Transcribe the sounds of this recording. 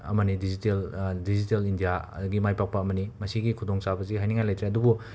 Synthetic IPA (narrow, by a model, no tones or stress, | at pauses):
ɐ̰mɐnidiziteldizitelindijaɐ̰duɡimajpak̚pɐːmɐnimɐsiɡikʰudoŋt͡ʃabɐziɦajniŋajlɐjt̪ɾeɐdubu